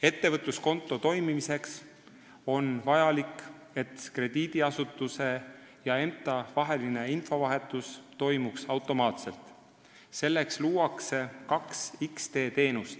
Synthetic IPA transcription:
e̞t̪ːevɤt̪ːˑusko̞nt̪ːˑo̞t̪o̞jmimise̞ks | o̞nvɑjɑlik | e̞t̪kre̞d̪̥iːd̪̥iɑsut̪ːˑuse̞ | jɑe̞mt̪ːˑɑvɑɦe̞line̞info̞vɑɦe̞t̪ːˑust̪o̞jmuksɑwt̪ːˑo̞mɑːt̪se̞lt̪ˑ | se̞lːe̞ksluːɑkse̞kɑksikst̪e̞ːt̪e̞ːnust̪

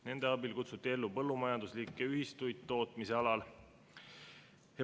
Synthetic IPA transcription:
ne̞nd̪̥eɑbilkut̪sut̪ːˑie̞lːupɤ̞lːumɑjɑnd̪uslikːˑeyɦist̪ujd̪̥̚t̪ːo̞ːt̪ˑmise̞ɑlɑl | he

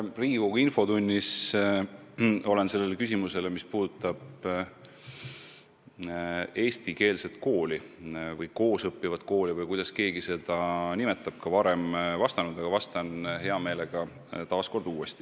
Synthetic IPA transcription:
riːɡuinfo̞t̪unʲːis | o̞le̞nse̞lːelekys̬ʲimuse̞lemispuːd̪̥ut̪ːˑɑb̥ | e̞ːst̪ike̞ːlse̞t̪ːˑko̞ːlʲivɤjko̞ːsɤpːivɑt̪ˑko̞ːlivɤjkujd̪̥ɑske̞ːɡise̞d̪̥ɑnime̞t̪ːˑɑb̥̚kɑvɑɾe̞mvɑst̪ɑnud̪̥ɑɡɑvɑst̪ɑnɦe̞ɑme̞ːle̞ɡ̥ɑ | t̪ɑːsko̞rd̪̥uːe̞st̪i̥

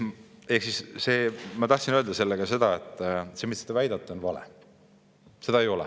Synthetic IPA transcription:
e̞hksisːe̞ːmɑt̪ɑht̪sinøld̪ɑse̞lːeɡɑse̞d̪̥ɑet̪ːˑse̞ːmissed̪̥ɑvæjd̪ɑt̪ːˑonvɑlḛ | se̞d̪ɑejo̞lɛ̰

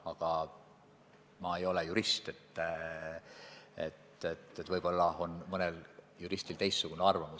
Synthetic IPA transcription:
ɑɡ̥ɑ | mɑe̞jo̞lejuɾist̪et̪ː | ḛt̪ːet̪ːet̪ːvɤjb̥o̞lːɑo̞nmɤneljuɾist̪ilt̪e̞jssuɡ̥uneɑrvɑmus

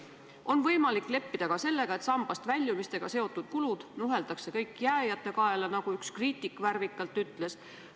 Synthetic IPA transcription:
o̞nvɤ̞jmɑlikːˑle̞pːid̪̥ɑɡ̥ɑse̞lːe̞ɡ̥ɑe̞t̪sɑmb̥ɑst̪vælʲːjumist̪e̞ɡ̥ɑse̞o̞t̪ːˑud̪̥̚kulud̪̥nuɦe̞ld̪̥ɑkse̞kɤjkːˑjæːjɑt̪ːe̞kɑelɑnɑɡ̥uykskriːt̪ːˑikːˑværvikːˑɑlt̪ːˑyt̪ːˑle̞s

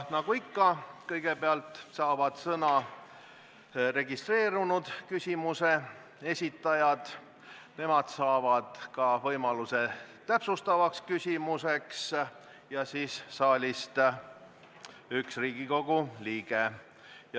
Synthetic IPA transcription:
nɑɡ̥uikːɑkɤjɡ̥e̞beɑlt̪ˑsɑːvɑd̪̥sɤnɑ | re̞ɡist̪re̞ːɾunud̪̥kysʲimuse̞ | e̞sʲit̪ːˑɑjɑd̪̥ | ne̞mɑd̪̥sɑːvɑd̪̥kɑvɤjmɑluse̞t̪æpsust̪ɑvɑkskysʲimuse̞ks | jɑsiːsːɑːlʲist̪ | yksriːɡiko̞ɡ̥uliːɡ̥e | j

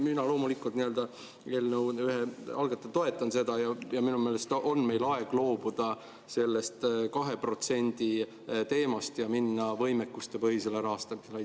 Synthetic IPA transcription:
minɑlo̞ːmulikːˑult̪niøld̪̥ɑ | eːlnəwyɦeɑlɡ̥ɑt̪ːˑɑt̪o̞e̞t̪ːˑɑnse̞d̪̥ɑjɑjɑminume̞ːle̞st̪ʔo̞nme̞jlɑe̞ɡ̥lo̞ːb̥ud̪̥ɑ | se̞lːe̞st̪kɑɦe̞pro̞t̪se̞nʲd̪̥i | t̪e̞ːmɑst̪jɑminːɑvɤ̞jmekːust̪epɤɦhise̞leɾɑːst̪ɑmiselj

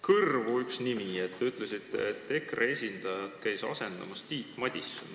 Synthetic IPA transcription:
kɤrvuyksnimiet̪ːeyt̪ˑle̞sit̪ːˑeet̪ːe̞krʔee̞sʲind̪̥ɑjɑd̪̥kæjsɑ̰se̞nd̪̥ɑ̰mɑst̪iːt̪ːˑmɑd̪̥ʲisːun

